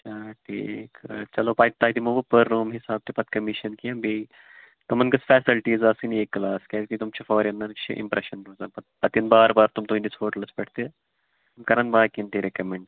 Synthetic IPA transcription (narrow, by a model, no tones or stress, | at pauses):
ɐt͡ʃʰaːʈʰḭːkt͡ʃɐloːpaːt̪aːit̪imoʋupəɾːuːmɦɪsaːb̚t̪epɐt̪̚kɐmiʃɐnkijɐ̃bi | t̪ɐmɐnkɐsfɛːsilʈiːzaːsinieːkːlaːskɛk̪it̪umt͡ʃʰɐfɔːɾiɐnd̪ɐnkt͡ʃʰḭʔɪ̰mpɾeʃɐnɾoːzɐːpɐt̪̚pɐt̪ɐnbaːɾbaːɾt̪umt̪uɦĩd̪isfoːʈəlɐsbɛʈʰt̪e | mkɐɾɐnbaːɾkiɐnt̪iɾekɐmẽɳɖ